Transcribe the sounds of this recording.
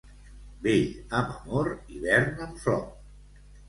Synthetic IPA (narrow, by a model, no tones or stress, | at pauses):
beʎəməmoɾiβɛɾnəmflɔ